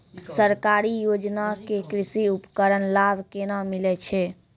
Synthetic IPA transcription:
səɾkaɾijod͡ʒnakekɾisiupkəɾənlabʱkenamilɛt͡ʃʰɛ

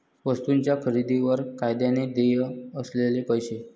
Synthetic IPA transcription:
ʋəst̪unt͡ɕjakʰəɾid̪iʋəɾkajd̪janed̪eɦəslelepəjɕe

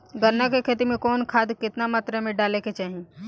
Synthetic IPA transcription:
ɡəɾnːakekʰeːt̪imẽkɔːnkʰaːd̪kɪt̪namaːt̪ɾemẽɖaːleket͡ʃaːɦẽ

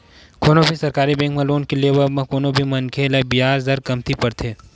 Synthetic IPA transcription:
kʰoːnõbʱisɐɾkaːɾibɛ̃ːŋkmɐ̃loːnkelieʋɐmɐ̃koːnõbʱimɐnkʰeːlebijaːɾzɐɾkɐmt̪ʰipɐɾt̪ʰeː

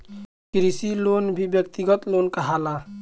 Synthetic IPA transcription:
kɾisilonbʱibjək̚t̪iɡət̪lonkəɦala

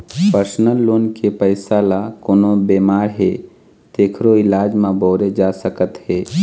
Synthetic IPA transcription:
pəɾsnəlːoːnkepəɪsaːlakoːnobeːmaːɾɦe | t̪eːkʰɾoɪlaːd͡ʒmãbɔːɾed͡ʒasəkət̪ɦɛː

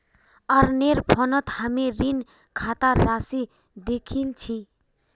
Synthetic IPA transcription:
ʌɾneɾpʰʌnʌt̪hameɾin | kʰat̪aːasi | d̪ekʰilt͡sʰi

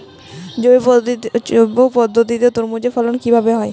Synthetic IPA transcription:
d͡ʑo | obopɔd̪ʱːot̪it̪et̪oɾmod͡ʑefɔlonkibʱabeɦɔe

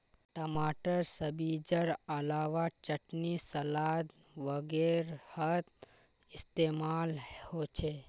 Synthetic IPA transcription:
ʈəmaʈəɾsəbid͡ʒəɾəlaʋat͡ʃəʈnisəlad̪ | ʋəɡeɾhət̪ | ist̪emalhot͡ʃʰe

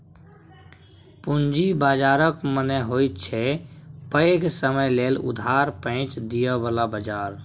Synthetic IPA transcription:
pund͡ʒibaːd͡ʒaɾəkmənəɦojt̪t͡ʃʰɛpəksəməjleːlʊ̰d̪ʱaɾpə̃ɪ̃t͡ʃd̪ijəbəlabəd͡ʒaːɾ

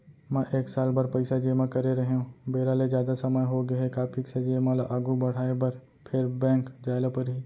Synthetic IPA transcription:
mɛ̃ʔeːksaːlbɐɾpɐɪsad͡ʒeːmãkɐɾeɾɐɦeɦũbeːɾaːled͡ʒjaːd̪asɐməjɦoːɡɐɦɛkaːpʰɪksad͡ʒeːmãlaʔaːɡubɐɽ̤aːebɐɾ | pʰeɾbɛ̃ːŋkd͡ʒaːɪlapɐɾɦiː

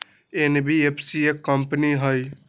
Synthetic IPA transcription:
enbiepʰsiekːəmpniɦəj

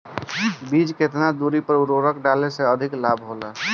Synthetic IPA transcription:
bid͡ʒket̪nad̪uɾipəɾuɾoɾəkɖaleseəd̪ʱiklabʱɦolə

